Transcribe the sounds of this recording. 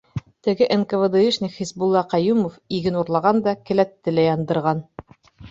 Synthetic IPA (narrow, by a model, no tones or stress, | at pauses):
t̪ɘ̆ɡɘʔenkəvɤd̪ɤ̆iʃnʲiχisbulˠːɑqɑjumofiɡɘnuɾlˠɑʁɑnd̪ɑkɘ̆læt̪ːɘ̆læjɑnd̪ɤ̆ɾʁɑn